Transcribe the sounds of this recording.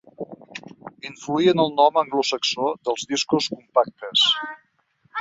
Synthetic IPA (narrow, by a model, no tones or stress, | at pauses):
iɱfluiənəlˠnɔməŋɡlusəksoðəlˠzðiskuskumpak̚t̪əs